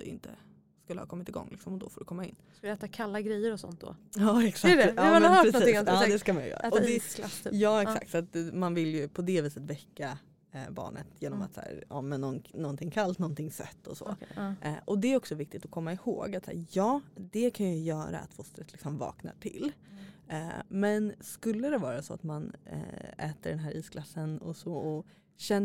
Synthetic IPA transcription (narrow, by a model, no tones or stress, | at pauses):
d̪̥ɛɪ̰nt̪ə̰ | skɵlːəhɑ̰ːkɔmːɪt̪ɪɡɔ̰ŋːlɪksɔmɔd̪ɔfɔːɖɵkʰɔmːaɪ̰nːslɛːt̪akʰalːaɡɾɛjːəɾɔsɔ̰nt̪̚d̪ɔ̰ɑːɛksaɛanœːɾɛɔɪd̪ɛskamanjɵ̰jœ̰ːɾaɔd̪ɛlasʰːjɑːɛksa̰kt̪sat̪̚manvɪljɵpʰɔd̪ɛviːsət̪vɛkːa | bɑ̰ːɳə̰t̪jeːnɔma̰t̪sæ̰ːɾɑ̰ːmɛnːɔnnɔnt̪ɪŋkʰalt̪nɔnt̪ʰɪŋːsɛ̰t̪ːɔsɔ̰ | ʔɔd̪ɛæɾɔksɔvɪk̚t̪ɪt̪ɔkʰɔmːaɪho̰ːɡat̪sæːɾjɑːd̪ɛkʰanjɵjœːɾa̰ːt̪fʊst̪ɾət̪ʰlɪksɔmvɑ̰ːkna̰ʈʰɪ̰lː | mɛnskɵlːəd̪ɛvɑːɾasɔa̰t̪man | ɛːt̪əɖɛnɦæːɾʔiːsklasːənɔ̰sɔɔ | ɕɛnː